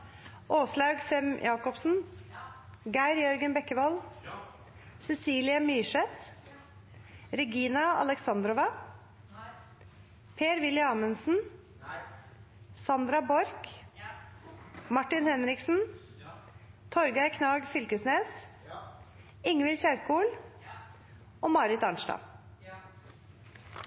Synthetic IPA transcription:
ʔoːslɑːɡsɛmjʔɑːkɔpsn̩ | ɡæɪɾjœɾɡənbɛkːəʋɔl | sɛsiːlɪəmyːʂɛt̪ | ɾɛɡiːnɑɑ̰lɛksɑnd̪ɾɔʋɑ | pʰeːɾʋɪlɪɑːmənsn̩ | sɑnd̪ɾɑbɔɾk | mɑʈːɪnhɛnɾɪksn̩ | t̪ʰɔɾɡɑɪkʰnɑːɡfʏlkəsneːs | ɪŋːəʋɪlçæɾkuːl | ʔoːmɑɾɪt̪ɑnʃʈɑ̰ː

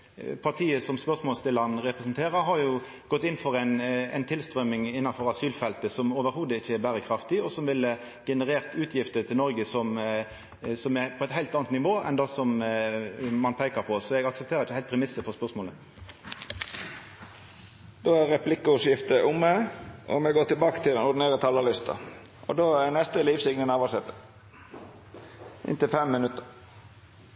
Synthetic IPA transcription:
pʰɑʁt̪ʰiːəsɔmspœʁsmoːlst̪ʰɪlɑnʁɛpʁɛsnt̪ʰeːʁəɾɦɑɾjʊ | ɡ̥ɔt̪ːɪnfɔɾæɪnɛ̰ɪnt̪ʰɪlst̪ʁœmɪŋɪnːɑnfɔɾɑsyːlfɛlt̪əsɔmoːʋəɾhuːd̪əɪçːəɛɾbæːʁəkʰɾɑft̪ɪɔsɔmʋɪlːə | ɡ̥ɛnəʁeːʁt̪ʉːt̪ʰjɪft̪ət̪ʰɪlnɔɾɡəsɔm | sɔmæpʰɔɛt̪hæɪlt̪ɑːnt̪nɪʋoːɛ̰nd̪ɑsɔm | mɑnpʰæɪkəʁpʰɔsɔɛɡɑksəp̚t̪ʰeːɾəɪçəhæɪpʰʁɛmɪsəfɔʁspœʁsmoːlə | d̪̥oːæɾʁɛplɪkːʊsjɪft̪əʔʊmːæʔɔ̰mɛɡoːt̪ɪlbɑːkə̥t̪ʰɪlɛnʊɾd̪ɪneːʁət̪ʰɑːləlɪst̪ʰɑ̰ | ʔɔ̰d̪oːænɛst̪əliːʋsɪɡnənɑːʋɑsɛt̪ːə | ʔɪ̰nt̪ɪlfɛmːɪnʉt̪ːəɾ

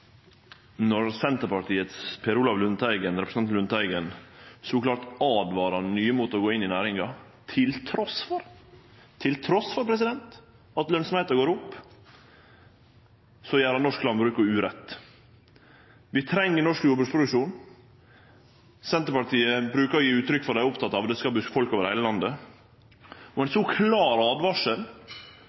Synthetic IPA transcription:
nɔɾsɛnt̪əɾpɑʈʰiːət̪spʰɛɾuːlɑʋlʉnt̪ʰæɪɡənɾɛpɾəsnɑnlʉnt̪ʰæɪɡənsɔklɑːʈɑːd̪ʋɑːɾɑnyːəmoːt̪əɔɡoːɪnːɪnæːɾɪŋɑ | t̪ʰɪlt̪ʰɾɔsfɔɾ | t̪ʰɪlt̪ʰɾɔsfɔɾpʰɾɛsɪd̪ɛnt̪ | ɑt̪lœnsɔmheːt̪ɑɡoːɾʊpː | sɔjæːɾɑnɔʂklɑnbɾʉːkəɾʉːɾɛt̪ː | ʋɪt̪ʰɾɛŋːənɔʂkjuːbʉspʰɾʊd̪ʉkʂuːn | sɛnt̪əɾpɑʈiːəbɾʉːkəɾɔjiːʉːt̪ɾʏkːfɔɾɖ̪æɪʊpt̪ʰɑt̪ːɑːʋd̪ɛskɑbʉfɔlkoːʋəd̪ɛhæɪləlɑnd̪ə | ɔɛnsɔkʰlɑːɾɑːd̪ʋɑʂəl

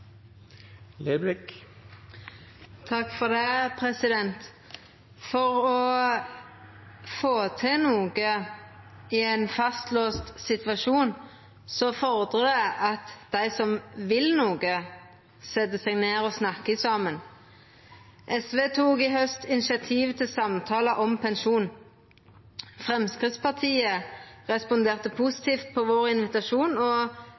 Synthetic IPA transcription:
leblɪk | t̪ʰɑkfɔd̪ɛpʰʁɛsɪd̪ɛnt̪ | fɔʁɔ | foːt̪ʰɪnuːɡə | ɪænfɑst̪løːst̪sɪt̪ʋɑʃuːn | sɔfɔʁd̪ʁəd̪æɪʔɑt̪d̪̥æɪsɔmʋɪlnuːɡə | sɛt̪ːəsɛɡneːɾɔsnɑkːɪsɑmən | ʔɛsʋeːt̪ʰuːɡɪɦœst̪ɪnɪʃɪɑt̪ʰiːʋt̪ʰɪlsɑmt̪ʰɑːləʔɔmpʰɛnʃuːn | fʁɛmskʁɪd̪spɑʁt̪ʰiːəʁɛspʊnd̪eːʁt̪əpʰʊsɪ̥t̪ʰiːft̪̚pʰɔʋoːʁɪnʋɪt̪ɑʃuːnɔ

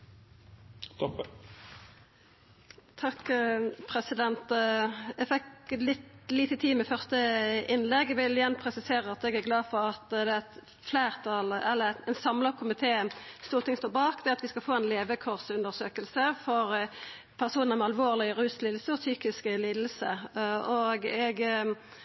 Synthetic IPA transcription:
t̪ʰɔ | t̪ʰɑkpʰʁɛsɪd̪ɛnt̪ | ɛfɛklɪt̪liːt̪ət̪ʰiːmɛfœʁst̪əɪnlɛɡʋɪlɪjɛnːpʰʁɛsɪseːʁəɑt̪ɛɡæʁɡlɑːfɔʁɑt̪d̪ɛæɛt̪ | flæːʁt̪ʰɑlɛlːəɛnsɑmləkʰʊmɪt̪ʰeːst̪uːʁt̪ʰɪŋst̪oːbɑːkd̪ɛɑt̪ʋɪskɑlfoːɛnleːʋəkʰɔʁsʉnd̪əʁsøːkəlsəfɔʁ | pʰæʁsuːnəʁmɛɑlʋoːʁlɪʁʉːsliːd̪l̩səɔsyːkɪskliːd̪əl̩səoɡɛɡ

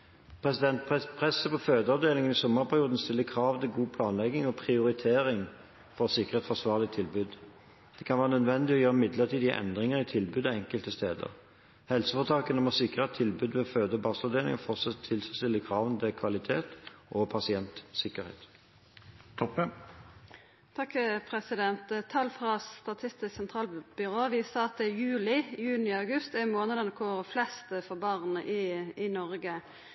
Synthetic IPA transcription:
pʰʁɛsɪd̪ɛnt̪̚pʰʁɛsːəpɔføːd̪əɑʋd̪eːlɪŋənɪsɔmːəʁpʰæʁɪuːd̪n̩st̪ɪlːəkʰʁɑːʋt̪ɪlɡuːpʰlɑːnlɛɡɪŋɔpʰʁɪʊʁɪt̪ʰeːʁɪŋ | fɔʁsɪkəʁeːt̪sfɔsʋɑːʁlɪt̪ʰːɪlbʉːd̪ | d̪̥ɛkʰɑnʋæːʁənœd̪ʋɛnd̪ɪɔjøːʁəmɪd̪ləʁt̪ʰiːd̪iʔɛ̰nd̪ʁɪŋəʁɪt̪ʰɪlbʉːd̪ɑɛŋkəlt̪əst̪eːd̪ə̰ʁ | hɛlsəfɔʁt̪ʰɑːkənɔmɔsɪkːəʁət̪ʰɪlbʉːd̪ʋɛføːd̪əɔbɑːslɑʋd̪eːlɪ̰ŋɔfɔʁt̪sɛt̪ʰːɪlsst̪ɪlːəkʰʁɑːʋənd̪əkʰʋɑlɪt̪ʰeːt̪ʔɔpʰɑsɪɛnt̪sɪkəʁhḛːt̪ | t̪ʰɔpːə | t̪ʰɑkːpʰʁɛsɪd̪ɛnt̪t̪ʰːɑlːfʁɑst̪ɑt̪ʰɪst̪ɪsksɛnt̪ʰʁɑːlb̥ʏʁoːʋɪsɑːɑt̪̚d̪ɛjʉːlɪjʉːnɪɑʉɡʉst̪ɛʁmoːnəd̪ənəkʰoːʁflɛst̪fɔʁbɑːʁnəʔɪɪnɔʁɡə

